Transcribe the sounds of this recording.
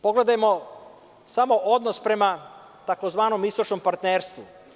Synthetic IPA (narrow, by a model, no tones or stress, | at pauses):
po̞ɡle̞d̪ajemo̞ | samo̞ʔo̞d̪nospɾe̞ma | t̪ako̞zʋaːno̞mist̪ot͡ʃnompaɾt̪neːɾst̪ʋu